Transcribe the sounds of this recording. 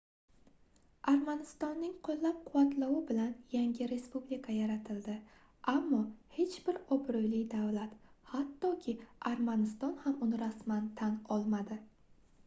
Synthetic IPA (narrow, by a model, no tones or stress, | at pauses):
aɾmanɪst̪ɒnːɪŋqʰolˠːap̚qʰʊwat̪lawɪbɪlanjaŋɡʲɪɾe̞spublikʰajaɾat̪ʰɪld̪ɪ | amːɒhe̞t͡ʃbɪɾɒbɾojlɪjd̪avlat̪hat̪ːɒkʲʰɪaɾmanɪst̪ɒnhamʊnɪɾasmant̪ʰanɒlˠmad̪ɪ